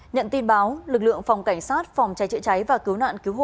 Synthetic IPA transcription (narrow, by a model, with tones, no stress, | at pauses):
ɲə̰˧˨nt̪i˧nɓaː˨˦wlɨ˨˩k̚lɨ̰˧˨əŋfa˨˩wŋ͡mka˧˩jŋ̟saː˦˥t̚fa˨˩wŋ͡mt͡ɕa˨˦jt͡ɕɨ̰˧˨t͡ɕa˨˦jvaː˨˩ki˨˦əwna̰ː˧˨nki˨˦əwɦo̰˧˨